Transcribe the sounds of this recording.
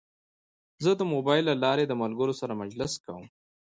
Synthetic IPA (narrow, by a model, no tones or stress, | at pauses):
zəd̪əmobɑjlːalɑɾed̪əmalɡəɾosaɾamad͡ʒləskawəm